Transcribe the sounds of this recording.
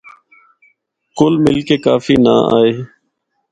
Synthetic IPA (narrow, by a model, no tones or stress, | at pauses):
kʊlmɪlkeːkaːfiːnaːa̰ːeː